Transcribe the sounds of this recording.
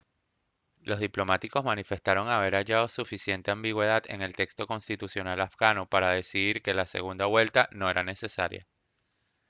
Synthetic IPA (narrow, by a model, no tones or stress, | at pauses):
lo̞zðiplo̞mat̪iko̞zmanife̞st̪aɾo̞ŋaβ̞e̞ɾaʝaðo̞sufisje̞nt̪e̞ambiɣwe̞ð̞aðe̞̰ŋe̞lt̪e̞kst̪o̞ko̞nst̪it̪usjo̞nalafɡanopaɾaðe̞siðiɾke̞lase̞̰ɣund̪aβwe̞lt̪ano̞e̞ɾane̞se̞sa̰ɾja̰